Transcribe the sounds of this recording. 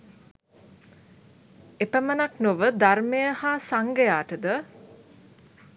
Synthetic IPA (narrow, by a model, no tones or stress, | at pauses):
epəmənaknoʋəd̪armejəhaːsaŋɡəjaːʈəd̪ə